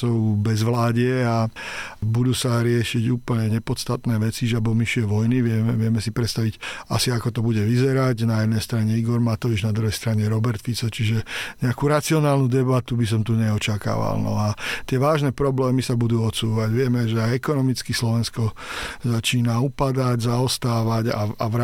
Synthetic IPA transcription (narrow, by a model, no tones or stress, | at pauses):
ɔʊbɛzʋlaːɟɛa | bud̪uːsaɾɪɛʃiɟuːpl̩ɲɛɲɛpɔst̪at̪nɛːʋɛt͡siʒabɔmiʃuɛʋɔjniʋɪɛmɛʋɪɛmɛsipɾɛt̪st̪aʋiɟa̰siakɔt̪ɔbuɟɛʋizɛɾaɟnajɛd̪nɛjst̪ɾaɲɛiɡɔɾmat̪ɔʋid͡ʒnad̪ɾuɦɛjst̪ɾaɲɛɾɔbɛɾt̪fit͡sɔt͡ʃiʒɛɲɛakuɾat͡siɔnaːlnud̪ɛbat̪ubis̬ɔmt̪uɲɛɔt͡ʃaka̰ːʋa̰lnɔ̰at̪ɪɛʋaːʒnɛpɾɔblɛːmisabud̪uːɔt̪suːʋaɟʋɪɛmɛʒɛaɪɛkɔnɔmit͡skislɔʋɛnskɔzat͡ʃiːnaupad̪aɟzaɔst̪aːʋaɟa̰aʋɾa